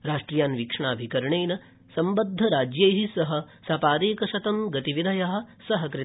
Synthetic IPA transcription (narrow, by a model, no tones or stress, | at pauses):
ɾaːʂʈɾijaːnʋikʂɐɳaːbʱikɐɾɐɳeːnɐ | sɐmbɐd̪ʱːɐɾaːd͡ʒjeːɦisɐɦɐ̆ | sɐpaːd̪eːkɐʃɐt̪ɐmɡɐt̪iʋid̪ʱɐjɐɦɐ̆sɐɦɐkɾi